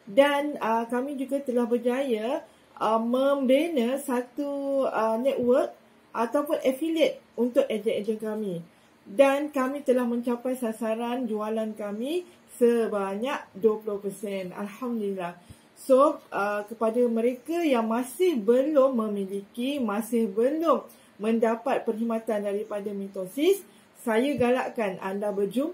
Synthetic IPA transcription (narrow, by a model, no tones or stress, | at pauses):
danəkamĩd͡ʒuɡat̪əlahbərd͡ʒaja | ʔəmə̃mbenəsat̪uənɛʔ̚wərk̚ | ʔat̪awpʊnʔɛfiliət̪̚unt̪ʊk̚ed͡ʒəed͡ʒənkamĩ | dankamĩt̪əlahmə̃ɲt͡ʃapajsasaɾand͡ʒualankamĩ | səbaɲaʔ̚duəpulʊhpərsɛna̰lhamdulilah | soʔəkəpadamə̃ɾekajaŋmãsɪhbəlʊmːə̃milikimãsɪhbəlʊmː | ə̃ndapat̪̚pərɦimãt̪andaɾipadamĩnt̪osisː | ajaɡalaʔkanʔa̰ndabəd͡ʒum